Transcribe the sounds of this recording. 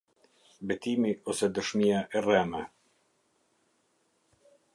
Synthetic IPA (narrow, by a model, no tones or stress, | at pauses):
bɛt̪imiɔsɛd̪əʃmiaʔɛrɛmɛ